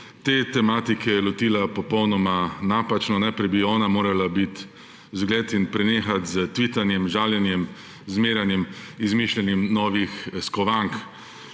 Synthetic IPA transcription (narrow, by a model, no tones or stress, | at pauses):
t̪eːt̪ɛmaːt̪ikʰɛjɛlɔt̪iːlapɔpɔwnɔmanaːpat͡ʃnɔnɛpɾɛbiɔːnamoːɾalabit̪ | zɡleːt̪inpɾɛneːxat̪zət̪ʋit̪anjɛmʒaːwljɛnjɛm | zmeːɾjanjɛmizmiʃlʲɛnimnɔːʋixskɔʋaŋk